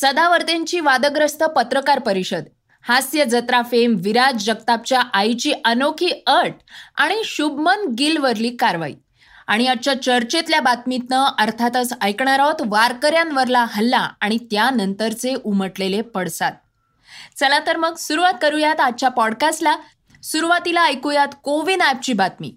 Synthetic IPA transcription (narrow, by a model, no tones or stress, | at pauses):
səd̪aʋəɾt̪eɲt͡ɕiːʋad̪əɡɾəst̪əpət̪ɾəkaɾpəɾiɕəd̪ | hasjəd͡zət̪ɾafemʋiɾad͡zd͡ʑəkt̪ap̚t͡ɕjaʔajt͡ɕiːʔənokʰiːəɾʈ̚aɽ̃iɕubmənɡilʋəɾliːkaɾʋa̰ḭ | aɽ̃iat͡ɕjat͡ɕəɾt͡ɕet̪ljabat̪mit̪nəəɾt̪ʰat̪əsəjkɳaɾɔt̪ʋaɾkəɾjãnʋəɾlaɦəlːaaɽ̃it̪janənt̪əɾt͡seʔuməʈlelepəɽsat̪̚ | t͡səlat̪əɾməɡsuɾuʋat̪̚kəɾujat̪at͡ɕjapɔɽkasla | suɾuʋat̪ilaəjkujat̪koʋinap̚t͡ɕiːbat̪̚mḭː